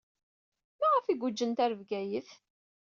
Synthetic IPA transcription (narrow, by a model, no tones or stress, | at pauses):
mæʁəfiɡʷʊd͡ʒːənt̪æɾvɡæjəθ